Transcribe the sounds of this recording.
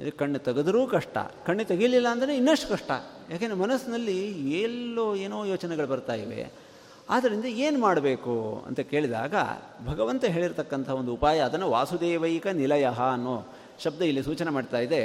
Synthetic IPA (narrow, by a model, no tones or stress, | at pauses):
ḭd̪kɐɳːet̪ɐɡɐd̪ɐɾuːkɐʂʈɐ̰kɐɳːet̪ɐɡililːɐːnd̪ɐɾeinːɐʂʈɐkɐʂʈɐ̰ | jaːkenɾemɐnɐsnɐlːieːlːoːeːnoːjoːt͡ʃɐnɛɡɐɭbɐɾt̪aːjiʋe̞̰ | aːd̪ɐɾind̪ɐeːnumaːɽɐbe̞ːkuɐ̰nt̪ɐke̞ːɭid̪a̰ːɡɐ̰ | bʱɐɡɐʋɐnt̪ɐɦe̞ːɭiɾt̪ɐkːɐnt̪ɐɐond̪uupaːjɐːd̪ɐnːɐʋa̰ːsud̪eːʋɐjkɐnilɐjɐɦɐːnːoː | ʃɐb̚d̪ɐilːisuːt͡ʃɐnemaːɖt̪aːjid̪e